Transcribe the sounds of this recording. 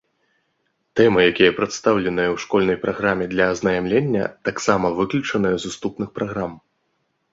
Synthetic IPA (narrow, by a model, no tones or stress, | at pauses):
t̪ɛmɨjakʲijɐpɾɐt̪st̪awlʲɛnɨjɐwʂkɔlʲnɐjpɾaɣɾamʲɛd̪lʲɐːznɐjamlʲenʲːɐ̰t̪aksamɐvɨklʲut͡ʂɐnɨjɐzust̪upnɨxpɾʔaɣɾam